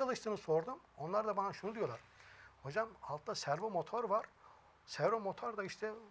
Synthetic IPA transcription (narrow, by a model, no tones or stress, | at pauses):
alˠɯʃt̪ʰɯːnɯso̞ɾd̪umo̞nlˠaɾd̪abanaʃunud̪ijo̞lˠaɾ̥ | ho̞d͡ʒamalˠt̪d̪asæɾvomo̞t̪ʰoɾvaɾ̥ | sæɾvomo̞t̪ʰoɾd̪aiʃt̪ʰɛ